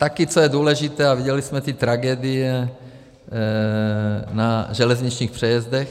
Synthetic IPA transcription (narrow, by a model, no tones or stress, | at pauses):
t̪akit͡sojɛd̪uːlɛʒit̪ɛːaviɟɛlismɛt̪it̪ɾaɡɛːd̪ijɛ | naʒɛlɛzɲit͡ʃɲiːxpr̝̥ɛjɛzd̪ɛx